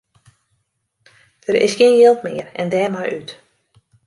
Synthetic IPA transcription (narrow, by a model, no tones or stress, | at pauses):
d̥əɾɪ̰sxɪːnjɪlˠtmɪərɛ̰ndɛːmajʔyt